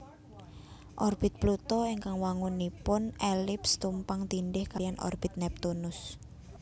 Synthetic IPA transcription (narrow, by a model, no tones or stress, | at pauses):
ʔɔrb̥ɪ̤t̪̚plut̪ɔiŋkaŋwaŋunipʊnʔelɪpst̪umpaŋt̪inɖɪhkajanʔɔ̰rb̥ɪ̤t̪̚nɛp̚t̪unʊs